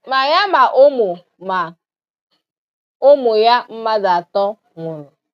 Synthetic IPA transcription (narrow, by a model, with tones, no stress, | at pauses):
ma˨ja˦ma˨ʔo˦mo˨ | ma˨ | o˦mo˨ja˦m̩˦ma˦za˨tɔ˦ | ŋʊ˨nʊ˨